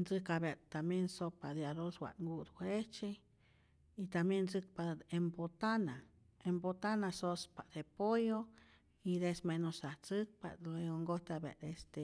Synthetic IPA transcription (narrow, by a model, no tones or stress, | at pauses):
nt͡sɨkabjat̪amjensopad̪eaɾoswʷa̰ŋɡud̪wʷet͡ʃe | it̪amjent͡sɨk̚paembot̪ana | embot̪anasospad̪̥epojo | id̪esmenosaht͡sɨk̚pa̰eoŋɡoht̪aba̰ʔd̪est̪e